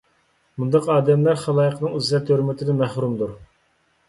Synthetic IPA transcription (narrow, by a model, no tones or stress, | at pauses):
mund̪ɑqɑːd̪ɛmlæɾχɑlˠɑːjəqnɨŋyzɛt̪ʰːøɾmɪt̪ʰɪd̪ɛmæhɾumd̪uɾ